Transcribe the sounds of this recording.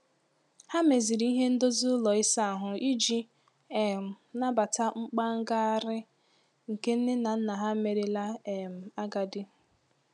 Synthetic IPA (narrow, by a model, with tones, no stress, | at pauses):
ha˦me˨zi˨ɾi˦i˦ɦe˦n̩˦do˦zu˦lɔ˨ɪ˦sa˦a˨ɦʊ˨i˦d͡ʒi˨ | e˨m̩˨na˦ba˨ta˦ŋ͡m̩˦k͡pa˦ŋ̩˦ɡa˦a˦ɾɪ˦ | ŋ̩˨ke˦n̩˦dɪ˦na˨n̩˦na˨ɦa˦me˨ɾe˨la˦e˨m̩˨a˦ɡa˨dɪ˦